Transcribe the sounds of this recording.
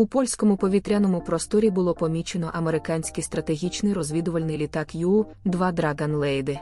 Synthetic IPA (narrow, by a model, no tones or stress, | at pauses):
upɔlʲsʲkɔmʊpɔʋʲit̪ɾʲanɔmʊpɾɔst̪ɔɾʲibʊlˠɔpɔmʲit͡ʃenɔʔɐmeɾɪkɑnʲsʲkɪst̪ɾɐt̪eɦʲit͡ʃnɪjrɔzʲʋʲid̪ʊʋɐlʲnɪjlʲit̪ɑkju | d̪ʋɑd̪ɾɑɡɐnlˠɛjd̪ɪ